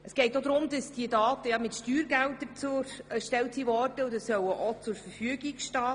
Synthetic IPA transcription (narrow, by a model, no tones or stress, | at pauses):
əsɡ̥ɛɪtod̪ɾʊmdɑsd̥iədɑːtəjɑmɪtʃtyːɾɡæltət͡suɾʃtɛltsivɔrd̥əʊdəssœwəʔot͡sʊɾfəɾfyəɡikʃtɑː